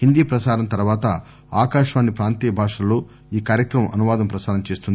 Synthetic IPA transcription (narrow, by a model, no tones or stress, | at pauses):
hind̪iːpɾɐsaːɾɐnt̪ɐɾuʋaːt̪ɐ | aːkaːʂʋaːnːipɾaːnt̪iːjɐbʱaːʂɐloː | iːkaːɾjɐkɾɐmɐmʔɐnuʋaːd̪ɐmpɾɐsaːɾɐmt͡ʃe̞ːst̪und̪i